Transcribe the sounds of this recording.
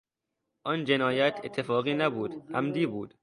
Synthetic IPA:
ʔɒnd͡ʒe̞nɒːjæt̪ʰe̞t̪ʰːe̞fɒːɣiːnæbuːd̪æ̰md̪iːbuːd̪̥

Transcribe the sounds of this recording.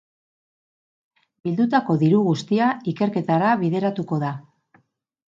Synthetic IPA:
bild̪ut̪ako̞ðiɾuɣust̪iaike̞ɾke̞t̪aɾaβiðe̞ɾat̪uko̞ða

